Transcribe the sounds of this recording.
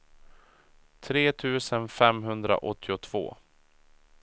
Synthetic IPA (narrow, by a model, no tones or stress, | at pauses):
t̪ʰɾeːt̪ʰʉ̟ːsənfɛmɦɵnd̪ɾa̰ʔɔt̪ʰːɪʊt̪ʰv̥o̰ː